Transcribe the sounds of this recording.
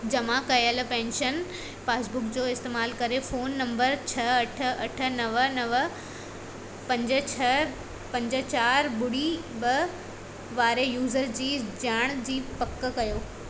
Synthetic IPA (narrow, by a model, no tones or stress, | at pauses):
d͡ʑɐmakɐjəlpɛ̃ːnʃən | paːsbʊkd͡ʑoːɪst̪eːmaːlkɐɾefoːnːɐ̃mbəɾt͡ɕʰɐɐʈ̆ʰɐʈʰə̆nɐʋənɐʋə | pɐ̃ɲd͡ʑə̆t͡ɕʰɐ | pɐ̃ɲd͡ʑə̆t͡ɕaːɾbʊɽibɐ | ʋaːɾejuːzəɾd͡ʑiːd͡ʑaːɽ̃d͡ʑiːpɐkːə̆kɐjoː